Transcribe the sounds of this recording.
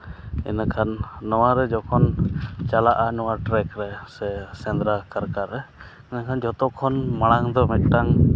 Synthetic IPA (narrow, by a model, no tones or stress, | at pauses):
ɛ̰nakʰanːɔwaɾɛd͡ʒɔkʰɔnt͡ʃalaʔanɔwaʈɾɛkɾɛsɛsɛnd̪ɾakaɾkaɾɛ | ɛnakʰand͡ʒɔt̪ɔkʰːɔnmaɽ̃aŋd̪ɔmɛt̪̚ʈaŋ